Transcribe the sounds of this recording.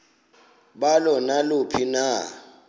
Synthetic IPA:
ɓalɔnalupʰina

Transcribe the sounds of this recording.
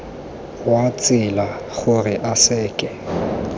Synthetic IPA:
wat͡sʼɪla | ɣʊrɪʔasɛːkʼɛ

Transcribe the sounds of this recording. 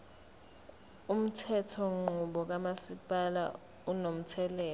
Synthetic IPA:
um̩tʰɛtʰɔŋ͡ǃuɓɔk̬amasipʼala̰ | unom̩tʰɛlɛː

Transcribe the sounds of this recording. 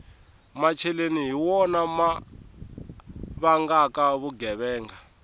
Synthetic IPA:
mat͡ʃʰɛleniɦiwɔnama | βaŋɡakaβuɡɛβɛːŋɡa

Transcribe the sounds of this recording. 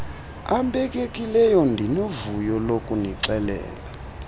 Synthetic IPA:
ambɛkʼekʼilɛjɔndʱinovujɔlokʼuniǀɛlɛ̰ːla

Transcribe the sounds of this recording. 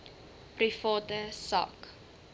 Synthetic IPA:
prifɑːtəsɑ̰ːk

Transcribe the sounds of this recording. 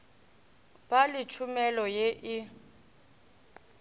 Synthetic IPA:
b̥alɪt͡ʃʰumɛlɔjeʔɪ

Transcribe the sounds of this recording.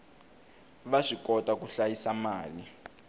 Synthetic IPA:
βaʂikɔtʼakuɬajisamaːli

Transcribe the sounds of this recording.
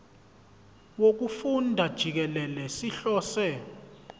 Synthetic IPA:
wok̬ufundʱad̥ʒ̥ʱik̬ɛlɛlɛsiɬɔːsɛ

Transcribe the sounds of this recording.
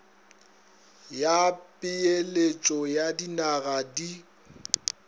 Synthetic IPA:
japʼɪelet͡ʃʼɔjadinaɣadi

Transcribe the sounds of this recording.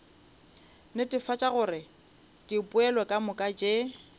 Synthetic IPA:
nɪtʼɪfat͡ʃʼaɣʊrɪ | tʼipʼʊɛlɔkʼamʊkʼat͡ʃʼe

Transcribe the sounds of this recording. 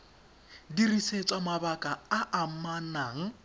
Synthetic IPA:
diriset͡sʼamabakʼaaʔam̩manaːŋ̩

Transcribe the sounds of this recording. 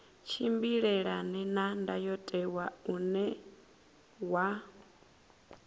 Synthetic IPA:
t͡ʃʰimbiɺɛɺanɛnandajɔtʼɛwaunɛ | wa

